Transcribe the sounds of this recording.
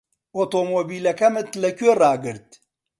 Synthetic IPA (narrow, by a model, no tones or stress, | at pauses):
ot̪omobilɐkɐmɨt̪lɐkʲøɾaːɡɨɾt̪